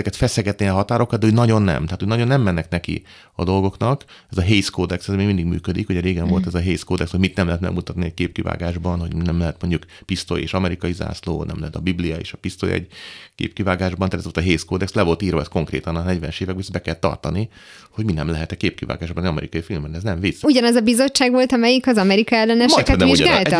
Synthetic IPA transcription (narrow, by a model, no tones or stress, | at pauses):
ɛkɛt̪fɛsɛɡɛt̪niɒɦɒt̪aːɾo̞kɒd̪d̪ɛunɒɟo̞nːɛ̰mt̪aːt̪unɒɟonːɛmːɛnːɛknɛkḭ | ɒ̰d̪o̞lɡo̞knɒkɛzɒɦeːskoːd̪ɛksɛzmeːɡmind̪iɡmy̰ːkød̪ikhoɟɛɾeːɡɛɱvo̞lt̪ɛzɒɦeːskoːd̪ɛkshoɟmit̪nɛmlɛɦɛt̪mɛ̰ɡmut̪ɒt̪niɛckeːp̚kiva̰ːɡaːʒbɒnɦo̞ɟnɛmlɛɦɛt̪mo̞ɲɟukpist̪o̰jḛːʃɒmɛɾikɒjiza̰ːslo̰ːnɛ̰mlɛɦɛt̪ɒbiblijɒḛːʃɒpist̪o̰jɛ̰ɟkḛːp̚kivaːɡaːʒbɒnat̪ɛzvolt̪ːɦeːskoːd̪ɛkslɛvo̞lt̪iːrɾvɒɛskoŋkrḛːt̪ɒnɒnɛɟʋɛnɛʃeːvɛɡ̚bisbɛkɛlt̪ːɒ̰rt̪ɒni | hoɟminɛmlɛɦɛt̪ɛkeːp̚kiva̰ːɡaːʒbɒnɛɒmɛ̰ɾikɒjifilmːɛnɛznɛɱvisuɟɒnɛzɒbizo̞t͡ʃːaːɡʋo̞lt̪ɒmɛjikɒzɒmɛɾikɒɛlːɛnɛmoɛt̪ɛnʋiiuʒɡaːlt̪